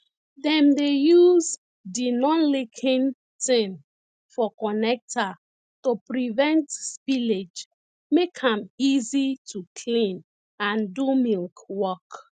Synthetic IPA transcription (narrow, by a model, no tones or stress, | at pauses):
dɛ̃mdejuz | dinɔ̃nlekʰĩn | tĩm | fɔkɔnɛk̚ta | tupɹivɛ̃ntspiled͡ʒ | mekʰãmizitʰukʰlĩn | ãndumilkwɔk